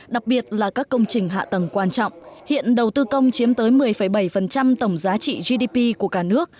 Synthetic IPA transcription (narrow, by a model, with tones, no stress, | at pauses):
ɗa˨˩k̚ɓi˨˩ət̚laː˨˩kaː˦˥kːə˧wŋ͡mt͡ɕï˨˩ŋ̟ɦa̰ː˧˨t̪ə˨˩ŋkwaː˧nt͡ɕɔ̰˧˨wŋ͡mhḭ˧˨ənɗə˨˩wt̪ɨ˧kə˧wŋ͡mt͡ɕi˨˦əmt̪əː˨˦jmɨ˨˩əjfə˧˩jɓa˧˩jfə˨˩nt͡ɕa˧mt̪ə˧˩wŋ͡mzaː˨˦t͡ɕḭ˧˨zi˧ɗi˧pi˧ku˧˩əkaː˧˩nɨ˦˥ək̚